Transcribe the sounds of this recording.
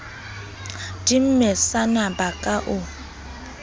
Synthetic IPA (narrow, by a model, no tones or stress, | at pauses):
dim̩mɛsanabakʼaʔʊ